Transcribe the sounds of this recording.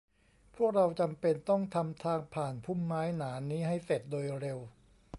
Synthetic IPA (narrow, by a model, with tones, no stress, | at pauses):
pʰu˥˩ək̚ɾa˧wt͡ɕa˧mpe˧nt̪ɔ˥˩ŋt̪ʰa˧mt̪ʰaː˧ŋpʰaː˨˩npʰu˥˩mːaː˦˥jnaː˩˦niː˦˥ɦa˥˩jse˨˩t̪̚doː˧jɾe˧w